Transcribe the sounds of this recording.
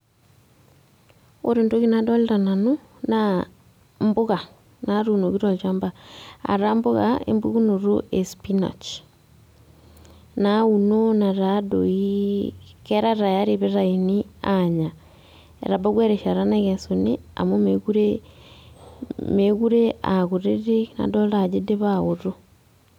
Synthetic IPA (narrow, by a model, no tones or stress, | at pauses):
oɾentoɣinadɔlɾanano | na | mboɣa | naɾunoɣiɾɔlt͡ʃambaa̰ɾamboɣa̰ḛmbuɣunoɾoʔespinɔ̰t͡ʃ | naunonaɾadoi | kɛɾaɾajaɾeβeɾainiaɲa | ḛɾabaɣweɾeʃaɾanaɣensonia̰momeɣuɾe | meɣuɾeaɣuɾeɾena̰dɔlad͡ʒedeβaɣoɾo